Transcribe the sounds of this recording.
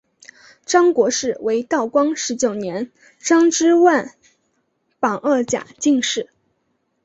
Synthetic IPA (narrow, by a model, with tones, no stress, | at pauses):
ʈ͡ʂɑ˥ŋkwɔ˧˥ʂɻ̩˥˩wʔe˧˥ɪt̪ɑ˥˩ʊkwɑ˥ŋʂɻ̩˧˥t͡ɕjo˨˩ʊnjɛ˧˥n | ʈ͡ʂɑ˥ŋʈ͡ʂɻ̩˥wa˥˩n | pɑ˨˩ŋʔə˥˩t͡ɕja̰˨˩t͡ɕi˥˧ŋʂɻ̩˥˩